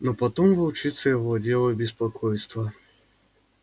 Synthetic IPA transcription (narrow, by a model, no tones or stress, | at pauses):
nɔpat̪ɔmvɐwt͡ʃɨt̪sːɐjaɣɔd͡zʲɛlˠɐbʲɪs̬pakʰɔjst̪vɐ